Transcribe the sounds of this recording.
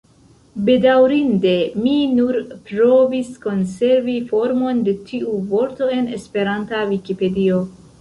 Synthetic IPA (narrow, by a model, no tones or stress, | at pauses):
be̞dawɾinde̞minuɾpɾo̞visko̞nse̞ɾvifo̞ɾmo̞nde̞tʰiuvo̞ɾto̞e̞nespe̞ɾantavikipe̞dio̞